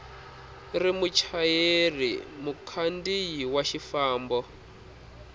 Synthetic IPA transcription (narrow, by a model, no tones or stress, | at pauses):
rimut͡ʃʰajerḭmukʰandijiwaʃifaːmbɔ